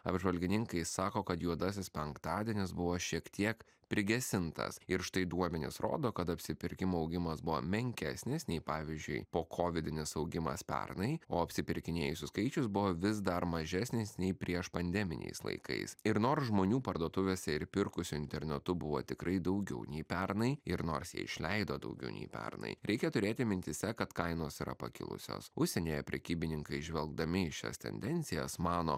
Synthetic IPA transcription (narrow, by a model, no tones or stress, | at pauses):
ɐbʒʋɐlʲɡʲɪnʲɪŋkɐɪssɑːkoːkɐt̪juɔd̪ɑːs̬ʲɪspʲɛŋkt̪ɑːd̪ʲiɛnʲɪs̬bʊʋoːʃʲiɛkt̪ʲiɛk | pʲɾʲɪɡʲɛsʲɪnt̪ɐ̰sɪɾʃt̪ɐɪd̪uɔmʲɛnʲɪ̰sɾo̰ːd̪oːkɐt̪ɐpʲsʲɪpʲɪɾʲkʲɪmoːɐʊɡʲɪmɐsbʊʋo̰ːmʲɛŋʲkʲæsʲnʲɪsnʲɛɪpɑːʋʲiɪzʲd͡ʒʲʊ̰ɪpoːkʰoːʋʲɪd̪ʲɪnʲɪsɐʊɡʲɪmɐ̰spʲɛ̰rnɐɪoːɐpʲsʲɪpʲɪɾʲkʲɪnʲeːjʊsʲʊskɐɪt͡ʃʲʊsbʊʋoːʋʲɪzd̪ɐɾmɐʒʲæsʲnʲɪsnʲɛɪpʲɾʲiɛʃpɐnʲd̪ʲɛmʲɪ̰nʲɛ̰ɪslˠɐ̰ɪkɐ̰ɪsɪɾnoːɾsʒmoːnʲuːpɐɾd̪oɔt̪ʊʋʲeːsʲɛɪɾpʲɪɾkʊsʲʊɪnʲt̪ʲɛɾʲnʲɛt̪ʊbʊʋo̰t̪ʲɪkɾɐɪd̪ɐʊɡʲɛʊnʲɛɪpʲɛɾnɐɪɪɾno̰ːɾsjḭɛɪʃʲlʲɛɪd̪oːd̪ɐ̰ʊɡʲɛ̰ʊnʲɛ̰ɪpʲɛ̰ɾnɐ̰ɪɾʲɛɪkʲɛt̪ʊɾʲeːt̪ʲɪmʲɪnʲt̪ʲɪsʲɛkɐt̪kɐɪnoːsiːɾɐ̰pɐ̰kʲɪ̰lˠʊ̰sʲo̰ːsʊʃʲsʲɛnʲeːjɛpʲɾʲɛkʲiːbʲɪnʲɪŋkɐɪʒʲʋʲɛlˠɡ̚d̪ɐmʲɪɪʃʲɛ̰st̪ʲɛ̰nʲd̪ʲɛnʲt͡ssʲɪjɛ̰smɑːno̰ː